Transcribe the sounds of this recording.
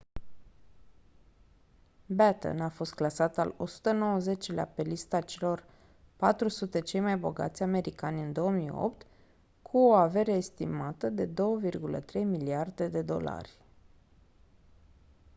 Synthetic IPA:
bæt̪ə̰nafo̞st̪̚klasat̪a̰lo̞su̥t̪əno̞wəzet͡ʃlea̰pe̞list̪at͡ʃe̞lo̞r | pat̪ɾusut̪e̞t͡ʃe̞jmajbo̞̰ɡa̰t̪sʲame̞ɾikanʲɨnd̪o̞omijo̰pt̪ | kʰuoave̞ɾeːst̪imat̪əd̪e̞d̪o̞wəvirɡulə̰t̪ɾe̞jmiliard̪e̞d̪e̞d̪o̞̰la̰rʲ

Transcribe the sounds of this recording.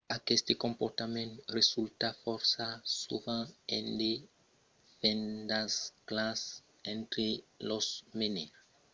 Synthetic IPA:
akest̪ekõmpoɾt̪amẽnt̪result̪afɔɾsasuɣãḛ̃nd̪e | fẽnd̪asklas | ẽnt̪ɾelosmeneɾ

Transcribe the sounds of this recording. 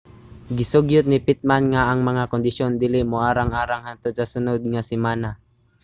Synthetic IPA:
ɡɪsoɡjʊt̪̚nɪpit̪̚manŋaːŋmɐŋakond̪ɪʃjond̪ilɪmoaːɾaŋaɾaŋhant̪od̪sasʊnod̪̚ŋasɪmaːna

